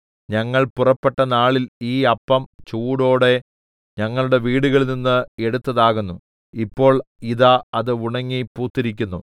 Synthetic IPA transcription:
ɲɐŋːɐɭpurɐpːe̞ʈːɐnaːɭiliːɐpːɐmt͡ɕuːɽo̞ːɽe̞ | ɲɐŋːɐɭuɽe̞ʋiːɽuɣɐɭninːɨe̞ɽut̪ːɐðaːɣunːu | ipːo̞ːɭiðaɐðɨuɳɐŋːipuːrt̪ːiɾik̬ʲːunːu

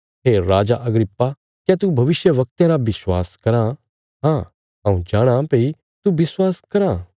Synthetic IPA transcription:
ɦeːɾaːd͡ʒaʔɐɡɾɪpːa | kɛt̪ubʱɐʋɪʃjəʋɐk̚t̪ẽɾaʋɪswa̰ːskɐɾã | ɦãː | ɐ̃ũd͡ʒaːɽ̃ãpei | t̪ubɪswaːskɐɾa

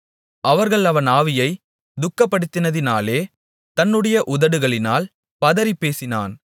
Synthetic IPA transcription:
ʔɐʋɐɾɣɐɭɐʋɐnaːʋɪjɐɪ | d̪ʊkːɐpːɐɽɯt̪ːɪnɐðɪnaːleː | t̪ɐnːɯɽɐjɐʔʊðɐɽɯɣɐɭɪna̰ːl | pɐðɐɾipːeːsɪna̰ːn

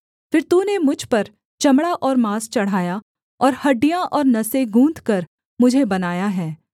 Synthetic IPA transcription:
fɪɾt̪uːnemʊd͡ʒʱpɐɾ | t͡ʃɐmɽaʔɔːɾmaːst͡ʃɐɽ̤aːja | ɔːɾhɐɖijãʔɔːɾnɐseɡʱũːd̪kɐɾ | mʊd͡ʒʱebɐnaːjaɦɛː

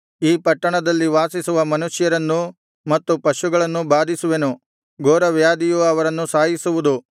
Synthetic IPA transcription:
iːpɐʈːɐɳɐd̪ɐlːiʋaːsisuʋɐmɐnuʂjɐɾɐnːu | mɐt̪ːupɐʃuɡɐɭɐnːubaːd̪isuʋenu | ɡoːɾɐʋjaːd̪ijuɐʋɐɾɐnːusaːjisuʋud̪u

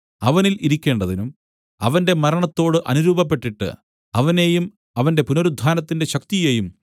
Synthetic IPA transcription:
ɐʋɐniliɾikʲːe̞ːɳɖɐðinum | ɐ̰ʋɐnde̞mɐɾɐɳɐt̪ːo̞ːɽɨʔɐnuɾuːbɐp̬ːe̞ʈːiʈːɨ̰ | ɐʋɐne̞jum | ɐʋɐnde̞punoɾud̪ʱːaːnɐt̪ːinde̞ɕɐk̚t̪ije̞ːjum

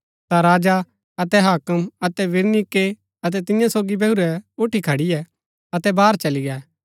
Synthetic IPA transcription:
t̪aɾaːd͡ʒa | ɐt̪ɛɦaːkəmɐt̪ɛʋɪɾnike | ɐt̪̬ɛt̪ɪ̃jãsoːɡibɛʊɾɛʊʈʰikʰɐɽijɛ | ɐt̪ɛbaːɾt͡ʃɐliɡɛː

